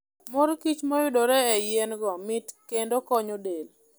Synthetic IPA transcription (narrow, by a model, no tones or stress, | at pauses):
moɾkit͡ʃmɔjʊdoɾɛɛjenɡɔmɪtkendokɔɲodel